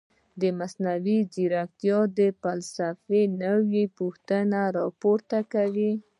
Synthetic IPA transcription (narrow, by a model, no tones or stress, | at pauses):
d̪əmasnawiziɾak̚t̪jɑd̪əfalsafenəwipuxt̪ənaɾɑpoɾt̪akawi